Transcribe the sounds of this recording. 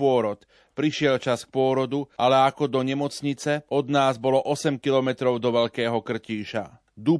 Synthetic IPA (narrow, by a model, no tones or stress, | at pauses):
ɔɾɔt̪ | pɾiʃɪɛlt͡ʃask̚pʊɔɾɔd̪ualɛakɔd̪ɔɲɛmɔt͡sɲit͡sɛɔd̪naːzbɔlɔʔɔsɛmkilɔmɛt̪ɾɔʊd̪ɔʋɛʎkɛːɦɔkr̩ciːʃa̰ | d̪u